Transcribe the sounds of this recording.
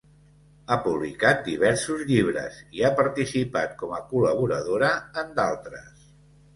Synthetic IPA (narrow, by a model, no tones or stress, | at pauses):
apuβlikat̪̚d̪iβ̞ɛɾsuzʎiβ̞ɾə̰ziapəɾt̪isipat̪̚kɔməkuləβ̞uɾəðoɾəːnd̪alˠt̪ɾəs